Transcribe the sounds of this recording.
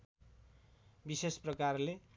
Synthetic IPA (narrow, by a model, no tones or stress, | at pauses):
bisesprʌkarle